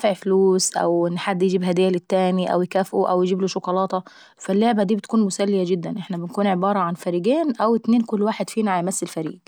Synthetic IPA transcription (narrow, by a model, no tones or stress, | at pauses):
ʕfluːsʔæ̰wʔɪnːħad̪ːjed͡ʒiːbɦæd̪ɪjːælɪt̪ːæːmiʔæ̰wjkæːfʔuʔæ̰wjed͡ʒiːbloʃokɑlɑːt̪ˤɑ | fælːoʕbæd̪iːbet̪̚kuːnmʊsælːɪjæɡɪd̪ːænʔeħnæbɪnkuːnʕebɑːɾˤɑʕanfæɾiːɡeːnʔæwɪt̪neːnkʊlːwaːħed̪fiːnæʕajmæsːɪlfæɾḭːɡ